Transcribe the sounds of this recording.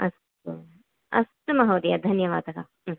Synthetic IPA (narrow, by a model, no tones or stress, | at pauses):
ɐst̪u | ɐ̰st̪ɐmɐɦoːd̪ijɐd̪ʱɐnjɐʋa̰ːd̪ɐka̰